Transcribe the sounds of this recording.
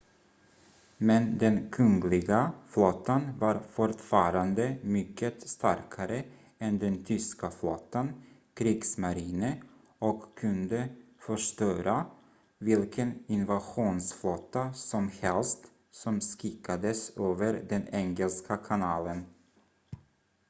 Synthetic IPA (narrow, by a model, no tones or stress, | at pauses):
mɛnd̪ɛnkʰɵŋɡlɪɡaflɔt̪ːanvaɾfɔʈfɑːɾand̪əmʏkʰːət̪st̪aɾkʰaɾə | ɛnd̪ɛnt̪ʰʏskaflɔt̪ːan | kʰɾiːɡsmaɾiːnə | ɔkʰːɵnd̪əfœʂt̪œːɾa | vɪlkʰənɪnvaɧuːnsflɔt̪ːasɔmhɛlst̪ | sɔmskɪkʰːad̪əsøːvəɾd̪ɛnɛŋɛlskʰakʰanɑːlən